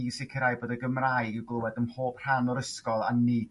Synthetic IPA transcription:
isɪkʰəɾajboːdəɡəmraːjɡəɡlˠʊwɛdəmhoːpr̥anɔɾəskɔlˠa̰nːiː

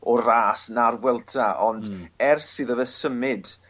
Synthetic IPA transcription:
ɔraːsnarwɛlˠtʰaɔndɛrsɨːðəvɛsəmɪd̥

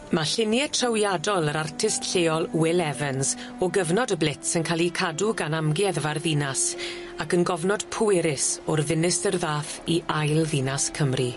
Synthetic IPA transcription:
maɬɪnjɛtʰrəwjadɔlˠəɾartʰɪstɬeːɔlˠwɪlɛvənz | ɔɡəvnɔdəblɪtsɪnkʰalikʰaduɡanamɡjɛðvarðinas | akənɡɔvnɔd̥pʰʊeɾɪsɔrðɪnɪsərðaːθiʔajlˠðinaskʰəmri

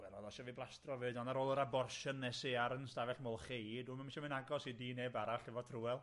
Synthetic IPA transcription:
wɛlɔðɔʃɔviblˠastrɔvɨːdɔnaɾoːlˠəɾabɔrʃənːɛseaɾənstavɛɬmoːlˠχejduːmənmʃɔmɨnaɡɔsidiːneːbaɾaɬɪvɔtʰruɛlˠ

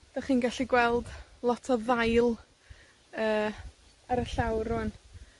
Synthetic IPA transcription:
d̥aχiːnɡaɬiɡwɛlˠdlˠɔtʰɔðajlˠ | əː | aɾəɬawrʊn

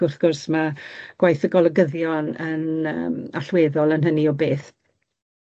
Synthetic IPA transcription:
ʊθɡ̥ʊrsmaɡ̥wajθəɡɔlˠəɡəðjɔnənə̰maɬweːðɔlˠənɦəniɔbeːθ

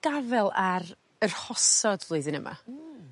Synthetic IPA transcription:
ɡ̥avɛlˠaɾ | ər̥hɔsɔdvlˠuɨðənəmʔa̰

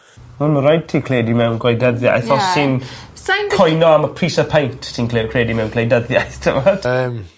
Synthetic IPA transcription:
ɔnməɾɔjd̚tʰiːkʰleːdimɛwnɡwajdəðja̰jθɔsɪn | kʰɔjnɔaməpʰriːsəpʰajntʰtʰiːnʰkʰleːdimɛwnkʰlejdəðjajθtʰəvɔd̥əm

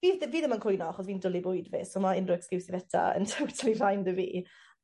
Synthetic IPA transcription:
viːðviːðəmənkʰʊjnɔaχɔsviːndʊlˠibʊɨdvɪsɔmaɪnrʊɛkskɪwsɪvɛtʰa̰ə̰ntʰowtʰalˠir̥ajndəvḭː

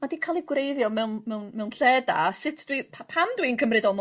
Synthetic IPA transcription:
madikʰalˠiɡwrejðjɔmɛwnmɛwnmɛwnɬɛda̰sɪtʰd̥wipʰapʰamdwiənkʰəmrɨdɔlˠm

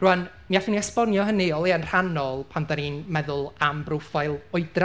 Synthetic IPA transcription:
ruan | miafiniɛspɔnjɔɦəniɔlˠiənr̥anɔlˠpʰandaninmɛðʊlˠambrʊfajlˠʊɨdra

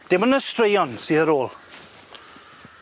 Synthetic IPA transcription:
d̥ɪmənəstrejɔnsiːəɾoːlˠ

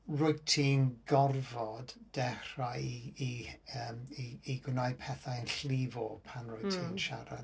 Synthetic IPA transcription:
rʊtʰiːnɡɔrvɔdd̥ɛχaiiəːmiiɡwnaj̚pʰɛθaənɬlivɔpʰanrʊtʰiːnʃaɾa̰

